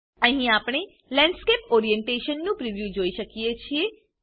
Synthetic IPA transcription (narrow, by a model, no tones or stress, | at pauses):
ə̃ɦĩaːpɽ̃e | lɛ̃ɳɖskepoːɾijẽɳʈeʃənːũpɾiʋjud͡ʒoːiʃəkijet͡ʃʰie